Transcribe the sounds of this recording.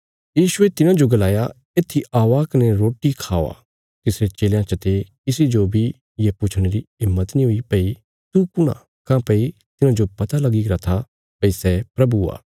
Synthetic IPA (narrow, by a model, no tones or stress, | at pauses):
jiːʃʊet̪ɪnãd͡ʒoɡɐlaːja | eːt̪ʰːiaːʋaːkɐnɛɾoːʈikʰaːʋa̰ː | t̪ɪsɾet͡ʃeːljãt͡ʃɐt̪ekɪsid͡ʒobʱi | jepʊt͡ʃʰɽ̃eɾiɪmːət̪nĩɦoipɐi | t̪ukʊɽ̃ã̰ | kãːpɐit̪ɪnãd͡ʒopɐt̪alɐɡiɾɐt̪ʰa | pɐisɛpɾɐbua̰ː